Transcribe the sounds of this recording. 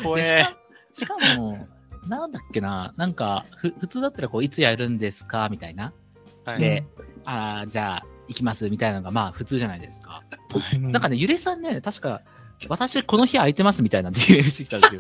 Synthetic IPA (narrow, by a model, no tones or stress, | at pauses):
eɕiao | ɕi̥kamo | nãnd̪akːe̞nanãŋkaɸɯ̟ɸɯ̟t͡sɨːd̪at̪ːaɾako̞ːit͡sɨjaɾɯ̟̃nd̪e̞sɨ̥kamʲit̪aina | d̪e̞ad͡ʑaːikʲimasɨmʲit̪ainanoɡamaːɸɯ̟t͡sɨːʑanaid̪e̞sɨ̥ka̰ | ãŋkane̞jɯ̟ɾisãnːe̞t̪aɕi̥ka | β̞at̪aɕiko̞no̞çiait̪e̞masɨmʲit̪ainad̪eẽɕit̪ekʲi̥t̪aesej